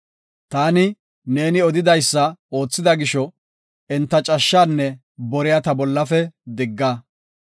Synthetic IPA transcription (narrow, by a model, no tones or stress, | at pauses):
t̪aːnɪ | ne̞ːnɪɔd̪ɪd̪ɐjsːɐo̞ːt͡sːɪd̪ɐɡɪʃɔ | ɛnt̪ːɐt͡ʃʼɐʃːaːnːɛ | bɔɾɪjat̪ɐbɔlːɐfɛd̪ɪɡːa